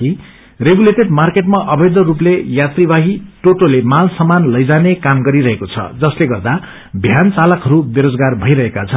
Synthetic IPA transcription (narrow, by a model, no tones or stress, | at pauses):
i | reɡuleʈeɖmarkeʈmaʔʌbʌjd̪ʌɾuplejat̪ribaɦiʈoʈolemalsʌmanlʌjd͡zanekamɡʌɾiɾʌɦekot͡sʰʌ̰d͡zʌsleɡʌrd̪a | bʱjant͡salʌkɦʌɾubeɾod͡zɡarbʱʌjɾʌɦekat͡sʰʌn